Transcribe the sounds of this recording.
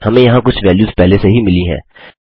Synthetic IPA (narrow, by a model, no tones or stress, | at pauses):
hɐmẽjɐɦãkʊt͡ʃʰʋɛːljuːzpɛɦleseɦimɪliɦɛ̰̃ː